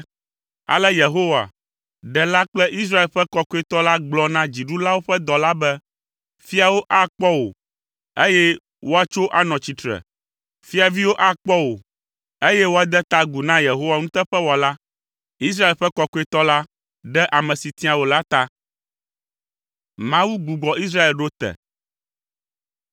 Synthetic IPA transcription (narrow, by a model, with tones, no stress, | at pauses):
a̰˨lɛ˦je˨ɦo˦wa̰˨ | ɖɛ˨la˦k͡plɛ˦ʔi˦s̬ɾa˦e˨lɸɛ˦kɔ˨kɔ˦e˦˨t̪ɔ˦la˦ɡ͡blɔ˦nã˦d͡ʑi˨ɖu˦la˦wo˦ɸɛ˦d̪ɔ˨la˦bɛ˦ | fi˦a˨wo˦ʔa˦k͡pɔ˦wo̰˨ | e˦jɛ˦ | wo˦a˦t͡ʃo˦ʔa˦nɔ̃˨t͡ɕi˨t̪ɾɛ̰˨ | fi˦a˨vi˦wo˦ʔa˦k͡pɔ˦wo˨ | e˦jɛ˦wo˦a˨d̪ɛ˦t̪a˦ɡu˨nã˦je˨ɦo˦wa˨ŋũ˦t̪ɛ˦ɸɛ˦wɔ˨la˦ | i˦s̬ɾa˦e˨lɸɛ˦kɔ˦kɔ˦e˦t̪ɔ˦la˦ | ɖɛ˦ʔa˨mɛ̃˨si˨t̪ĩ˦a˨wo˨la˦t̪a˦ | mã˦wu˦ɡu˨ɡ͡bɔ˨i˦s̬ɾa˦e˨lɖo˦t̪ɛ̰˨